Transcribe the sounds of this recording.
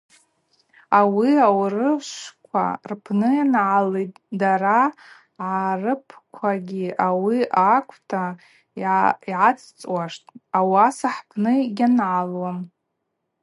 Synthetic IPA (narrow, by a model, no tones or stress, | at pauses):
awiawrɨʃʷkʷʰa̰rpʰnɨjanʕalejt̚ʼ | daɾa | ʕarɨpʰkʷʰaɡʲiawiakʷʰtʰa | iʕat͡sʰʼt͡sʼwaʂtʼawasaħpʰnɨɡʲanʕalwam